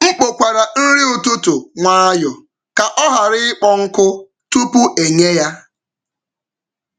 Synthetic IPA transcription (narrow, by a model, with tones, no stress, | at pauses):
ŋ͡m̩˦k͡po˨kʷa˨ɾa˨n̩˦ɾɪ˦ʊ˨tʊ˦tʊ˨ŋʷa˦a˦jɔ˨ | ka˨ʔɔ˦ɦa˨ɾɪ˦ɪ˦k͡pɔ˦ŋ̩˦kʊ˦ | tu˦pu˦ʔe˨ɲe˦ja˦